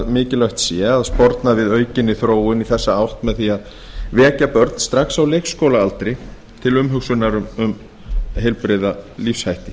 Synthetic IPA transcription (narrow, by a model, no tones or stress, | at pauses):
ðmɪːcɪlœɥht̪sjɛaðspɔɾt̪navɪðœːɥcɪnːɪθɾoːwɪniθɛsːaawht̪mɛðθiað | vɛːcapœɾt̪n̥st̪ɾaxsawlejxskowlaalt̪ɾɪ | t̪ʰɪlʏmɦʏksʏnaɾʏmʏm | ɦejlpɾɪðalifshajht̪ɪ̥